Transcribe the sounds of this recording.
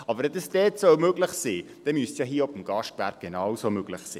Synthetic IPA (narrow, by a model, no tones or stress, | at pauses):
ɑbəɾɛdɛsd̥ɛːtsɔwmøɡlɪχsiː | d̥ɛmyəsjɑɦiːɔbəmɡ̥ɑʃtvæɾk̚ɡ̥enɑwsomøɡ̥lɪχsḭː